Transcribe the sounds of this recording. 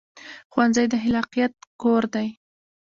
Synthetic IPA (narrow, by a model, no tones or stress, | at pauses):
xwanzajd̪əɦɪlɑqijat̪̚koɾd̪aj